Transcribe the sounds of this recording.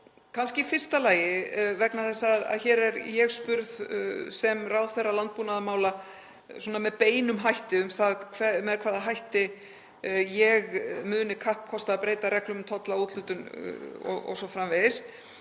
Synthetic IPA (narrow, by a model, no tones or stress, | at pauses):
kʰanscɪifɪr̥st̪alaːjɪvɛknaθɛsːaða̰ðçɛːɾɛɾjɛɣspʏɾðsɛmrawðθejrːalant̪̚puːnaðamaːwla | sɔnamɛðpeːjnʏmɦajht̪ɪʏmθaðkʰvɛmɛðkʰvaːðaɦajht̪ɪ | jɛɣmʏːðnɪkʰahp̚kʰːɔst̪aaðpɾeːjt̪aɾɛhklʏmʏmt̪ʰɔt̪lauːt̪lʏːt̪ʏnɔ̰ɔ̰ɣsɔfɾamveðɪs